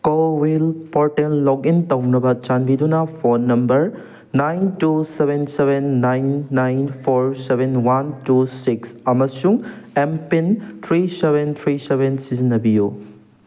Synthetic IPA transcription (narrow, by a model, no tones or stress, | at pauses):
kowwilpoɾtelːɔɡintɐwnɐbɐt͡ʃanbidunɐpʰoɾnɐmbɐɾ | najntusebensebenːajnːajnpʰoɾsebʱenwantusiksɐmɐsuŋempint̪ʰɾisebʱent̪ʰɾisebʱensizinːɐbiju